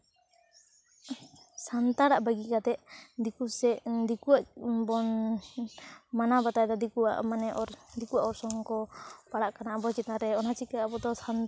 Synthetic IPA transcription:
sant̪aɽaʔbəɡikat̪ɛʔd̪ikusɛd̪ikuaʔbɔn | manabat̪ajd̪ɔd̪ikua̰ʔmanɛʔɔɾd̪ikuaɔɾsɔŋkɔpaɽaʔkanaabɔt͡ʃɛt̪̚naɾɛɔnhat͡ʃikaabɔd̪ɔsan

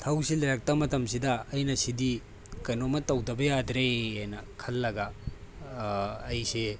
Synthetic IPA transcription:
tʰɐwsilɐɾɐk̚tɐmɐtɐms̬idɐːjnɐsidi | kɐjnomɐtɐwdɐbɐjadɾeajnɐkʰɐlːɐɡɐ | jse

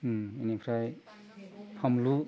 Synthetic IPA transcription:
enipʰɾaj | pʰamlu

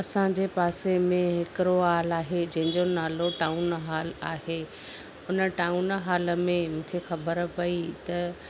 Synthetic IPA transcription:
ɐsãd͡ʑepaːsemẽɦɪkɾoaːlaːɦed͡ʑɐ̃ɦɪ̃ɲd͡ʑonaːloʈaːunɦaːlaːɦeː | ʊnəʈaːunɦaːləmẽmũːkʰexɐbəɾpɐit̪ɐ

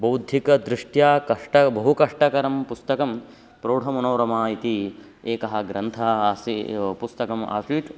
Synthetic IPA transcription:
bɐwd̪ʱjikɐd̪ɾiʂʈjaːkɐʂʈɐbɐɦukɐʂʈɐkɐɾɐmpust̪ɐkɐm | pɾoːɽʱɐmɐnoːɾɐmaːit̪i | eːkɐɦɐ̆ɡɾɐnt̪ʰɐɦɐaːsipust̪ɐkɐma̰ːsiːʈ̪

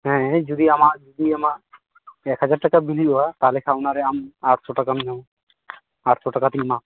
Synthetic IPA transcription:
ɦɛ̃d͡ʒɔd̪iamaʔd͡ʒud̪iamaʔ | ɛkhad͡ʒaɾʈakabiliɔwat̪alɛkʰawnaɾɛamaʈsɔʈakamiɲaw | aʈsʰɔʈakat̪inma

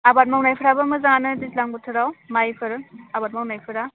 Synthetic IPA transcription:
abat̚mawnajpʰɯɾabamɯzaŋanɯdislaŋbutʰɯɾawmajpʰɯɾabat̚mawnajpʰɯɾa

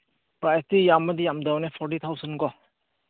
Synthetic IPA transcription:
pɾajstijamɐd̪ijamdawnepʰɔɾʈit̪ʰawsɐnɡɔ

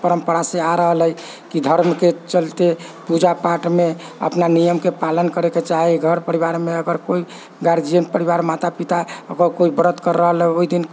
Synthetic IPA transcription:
pəɾəmpəɾaseaɾəɦələj | kid̪ʱəɾmket͡ʃəlt̪epud͡ʒapaʈmeə̰pnanijəmkepalənkəɾeket͡ʃaɦiɡʱəɾpəɾiβaɾmeəɡəɾkoi | ɡaɾd͡ʒijənʈ̚pəɾiβaɾmat̪apit̪aəɡəɾkoibəɾət̪kəɾːəɦəleoid̪in

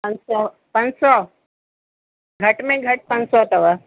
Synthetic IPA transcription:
pə̃nsɔ | pənsɔ | ɡʱəʈmẽɡʱəʈ̚pə̃nsɔt̪ɐʋa

